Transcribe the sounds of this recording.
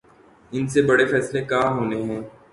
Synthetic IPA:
ɪnsebɐɽefɛːslekaːɦoːneɦɛ̃ː

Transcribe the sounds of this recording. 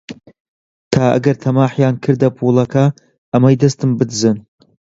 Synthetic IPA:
tʰaːɐ̰ɡɐrtʰɐmaːħjaːnkʰɨrdɐpʰulɐkʰaː | maid̪ɐstʰɨmbɨdzɨn

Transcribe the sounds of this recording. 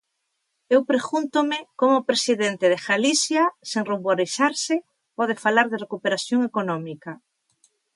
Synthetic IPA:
ewpɾeɣunt̪omɪkomopɾesiðent̪eð̞exalisjaseŋroβoɾisaɾsɪ | pɔð̞efalaɾðerekupeɾaθjoŋekonɔmika

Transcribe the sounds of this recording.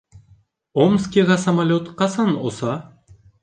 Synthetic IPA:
omskʲiʁɑsɐmalʲot̪qɑsɑnosɑ

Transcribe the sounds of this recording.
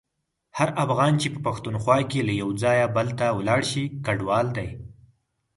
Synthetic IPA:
haɾafɣɑnt͡ʃepəpaxt̪unxwɑkelajawd͡zɑjabəlt̪awlɑɽʃikaɖwɑld̪aj

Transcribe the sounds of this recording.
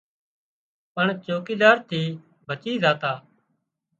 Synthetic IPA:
pəɳt͡ʃoːkiːd̪aːɾt̪ʰiː | bʱət͡ʃiːzaːt̪aː

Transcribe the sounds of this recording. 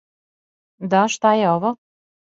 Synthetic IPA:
d̪aʃt̪ajeoʋo

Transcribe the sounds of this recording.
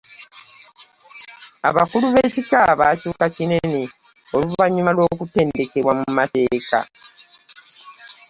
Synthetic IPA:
a̰βakuluβe̞ːcikaβaːcuːkacine̞ne̞o̞luβaɲimalwo̞ːkute̞ːnde̞ke̞βwamumate̞ːka̰

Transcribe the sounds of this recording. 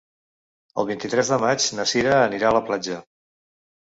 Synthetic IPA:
ə̰lˠβint̪it̪ɾɛzðəmat͡ʃnəsiɾəːniɾaələplad͡ʒə

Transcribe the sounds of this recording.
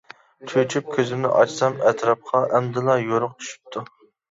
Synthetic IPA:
t̪ʰøt͡ʃʰyp̚kʲʰøzɪmnɪ̰ʔɑt͡ʃsɑmɛt̪ʰɾɑp̚qʰɑʔɛmd̪ɪlˠɑjoɾʊq̚t͡ʃʰy̥ʃy̥p̚t̪ʰu

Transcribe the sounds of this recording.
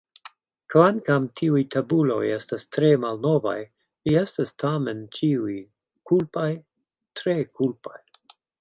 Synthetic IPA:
kvankamtʰiujtʰabulo̞̰je̞stastɾe̞malno̞va̰j | liestastʰament͡ʃiuj | kulpaj | tɾekulpa̰j

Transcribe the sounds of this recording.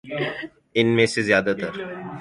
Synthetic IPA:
ɪnmẽsezjaːd̪at̪ɐɾ

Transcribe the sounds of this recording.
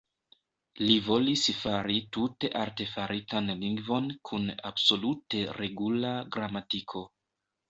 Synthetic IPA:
livo̞lisfaɾitute̞ʔaɾte̞faɾʔitanliŋɡvo̞nkʰuna̰bso̞lute̞ɾe̞ɡulaɡɾamatikʰo̞

